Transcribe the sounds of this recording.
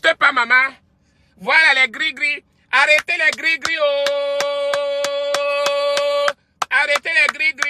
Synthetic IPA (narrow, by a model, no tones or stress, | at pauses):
tepamama | vualalɛɡɾiɡɾi | aɾetelɛɡɾiɡɾio | aɾetelɛɡɾiɡɾi